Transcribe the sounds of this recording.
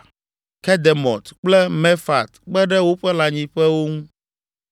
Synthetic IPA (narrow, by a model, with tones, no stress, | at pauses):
kɛ˦d̪ɛ˨mɔ̰̃˨t̪k͡plɛ˦mɛ˦fa̰˨t̪k͡pɛ˦ɖɛ˦wo˦ɸɛ˦la˨ɲĩ˦ɸɛ˦wo˦ŋũ˦